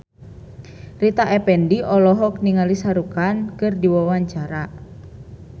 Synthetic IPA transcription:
rit̪aʔɛpɛndiʔɔlɔɦɔkniŋalisaɾukankɨrdiwawaɲt͡ʃaɾa

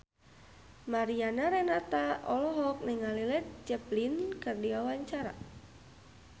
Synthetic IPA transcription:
maɾianaɾɛnat̪aʔɔlɔɦɔk̚nɛŋalilɛt̪̚d͡ʒɛplinkɨrdiawaɲt͡ʃaɾa̰

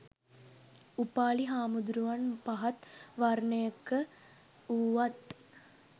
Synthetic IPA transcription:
upaːɭiɦaːmud̪ɾuʋanpaɦɐt̪ʋaɾɳəjəkːə | uːʋat̪

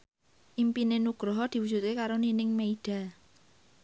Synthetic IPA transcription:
ʔimpinenuɡ̥ɾɔɦɔd̪̥i̤wudd͡ʒ̥ṳt̪̚kekaɾoninɪŋmeiɖ̥a̤

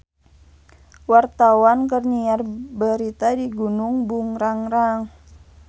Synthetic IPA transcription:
wart̪awankərniarbəɾit̪adiɡunuŋbuŋɾaŋɾaŋ

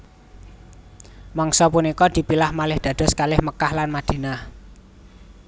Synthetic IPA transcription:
mɔŋsɔpunikɔd̪̥i̤pilahmalɪhd̪̥ä̤d̪̥ɔ̤skalɪhməkahlanmad̪̥e̤nah

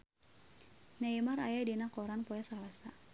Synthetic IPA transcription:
naimaɾajadinakɔɾanpɔjasalasa

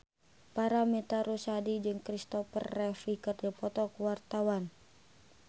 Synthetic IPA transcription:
paɾamɛt̪aɾusadid͡ʒɨŋkɾist̪ɔfə̰rːɛfikɨrd͡ʒapɔt̪ɔkuwart̪awan

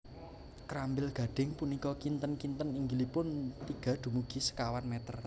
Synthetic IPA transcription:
kɾambɪlɡ̥ä̤ɖ̥ɪ̤ŋpunikɔkint̪ənkint̪əniŋɡilipʊnt̪iɡ̥ä̤d̪̥ṳmuɡ̥i̤sə̥kawanmɛt̪ər

